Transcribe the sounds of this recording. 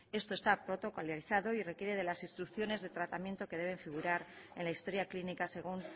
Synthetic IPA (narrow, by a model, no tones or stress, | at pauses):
e̞st̪o̞e̞st̪apɾo̞t̪o̞koljaɾiθaðo̞ire̞kjeɾe̞ð̞e̞lasinst̪ɾukθjo̞ne̞zðe̞t̪ɾat̪amjent̪o̞ke̞ð̞e̞β̞e̞ɱfiɣ̞uɾaɾe̞̰nlaist̪o̞ɾjaklinikase̞ɣ̞un